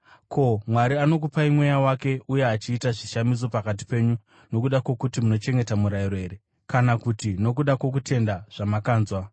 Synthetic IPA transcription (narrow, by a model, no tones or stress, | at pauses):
kʰo̞mwaɾiano̞k̬upaimwe̞jawake̞ʔuje̞at͡ʃiːtaʐiʃamis̬o̞pakat̬i̥pe̞ɲu | no̞kuɗakwo̞kutimuno̞t͡ʃe̞ŋɡe̞tamuɾaiɾo̞e̞ɾe̞ | kanakutino̞k̬uɗakwo̞k̬ute̞ndaʐ̥amakaːnzwa